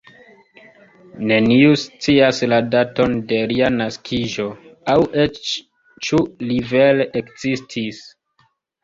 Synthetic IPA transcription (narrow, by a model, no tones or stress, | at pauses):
ne̞niust͡siasladato̞nde̞ɾianaskʰiʒo̞awʔet͡ʃ | t͡ʃulive̞leʔekz̥istʰis